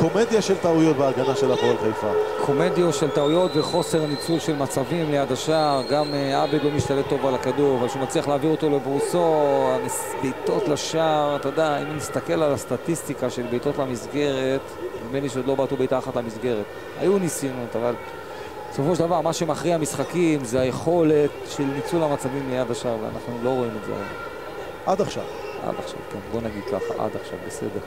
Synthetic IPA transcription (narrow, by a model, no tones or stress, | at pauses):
ko̞med̪jaʃelt̪aujot̪beaɡanaʃelapoelχajfa̰kʰo̞me̞d̪jo̞ʃe̞ltaujo̞tve̞χo̞se̞ʁnit͡sulʃe̞lmat͡savimlejadaʃaʁɡamabedlo̞miʃtalet̪o̞valakaduʁavalʃumat͡sliaχleaːviʁo̞t̪o̞le̞bʁuso̞amibejto̞tlaʃaʁatad̪aaimnist̪ake̞lalast̪at̪ist̪ikaʃe̞lbejto̞tlamisɡe̞ʁe̞t | imenliʃed̪lo̞bat̪ubejt̪aːχatlamisɡe̞ʁe̞t̪ | a̰junisinut̪aval | so̞foʃ̬davaʁmaʃemaχʁiamisχakimzeaje̞χo̞le̞tʃe̞lnit͡sulamat͡savimlijadaʃaʁvea̰nʔaχnulo̞ʁo̞imet̪zḛa̰la̰ | ʔad̪aχʃa̰v | a̰d̪a̰χʃa̰vkenbo̞naɡid̪̚ka̰χa̰ʔa̰d̪aχʃa̰vbese̞̰deʁ